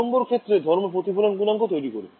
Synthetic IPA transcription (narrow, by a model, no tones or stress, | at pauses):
mboɾkʰet̪ːɾed̪ʱɔɾmopɾot̪ipʰulonɡunlaŋkot̪ojɾikoɾe